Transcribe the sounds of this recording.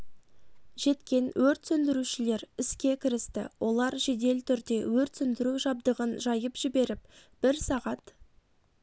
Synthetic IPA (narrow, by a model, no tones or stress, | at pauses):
ʒ̥e̞t̪kʲe̞nwʔɵɾt̪sɵnd̪ɪɾuʃɪle̞ɾɪskʲe̞kʲʰɪɾɪst̪ɪ̰wʔo̞lˠɑɾʒe̞d̪e̞lt̪ʰʏɾd̪e̞wɵɾt̪sʏnd̪ɪɾuʒɑb̚d̪əʁənʒɑjəpʒ̥ɪbe̞ɾɪpb̥ɪɾsɑʁɑt̪